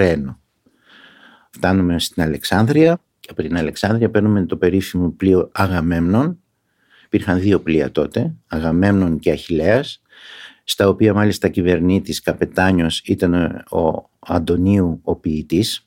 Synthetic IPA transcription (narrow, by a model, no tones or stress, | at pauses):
ɾe̞no | ft̪ɐnume̞st̪inɐle̞ksɐnd̪ɾiɐ | cɐpo̞t̪inɐle̞ksɐnðɾiɐpe̞ɾnume̞t̪ope̞ɾifimoplioɐɣɐme̞mno̞n | ipiɾxɐnðio̞pliɐ̰t̪o̞t̪e̞ɐɣɐme̞mno̞nceɐçile̞ɐsː | t̪ɐopiɐmɐlist̪ɐcive̞ɾnit̪iskɐpe̞t̪ɐɲo̞sit̪ɐno̰ | ɐnd̪o̞niuopiːt̪is